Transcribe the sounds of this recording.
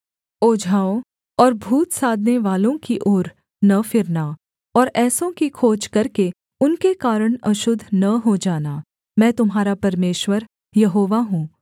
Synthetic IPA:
oːd͡ʒʱaːõ | ɔːɾbʱuːt̪saːd̪ʱneʋaːlõkiʔoːɾ | nɐfɪɾna | ɔːɾɛːsõkikʰoːd͡ʒkɐɾke | ʊnkekaːɾəɽ̃ɐʃʊd̪ʱːnɐɦod͡ʒaːnaː | mɛ̃ːt̪ʊmɦaːɾapɐɾmeːʃwəɾ | jɐɦoːʋaɦũː

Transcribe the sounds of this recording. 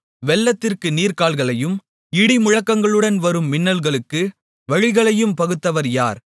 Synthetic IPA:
ʋɛlːɐt̪ːɪrkɯniːɾkaːlɣɐɭɐjɯm | ɪɽɪmʊɻɐkːɐŋɡɐɭɯɽɐnʋɐɾɯmːɪnːɐlɣɐɭɯkːɯ | ʋɐɻɪɣɐɭɐjɯmpɐɣɯt̪ːɐʋɐɾjaːɾ

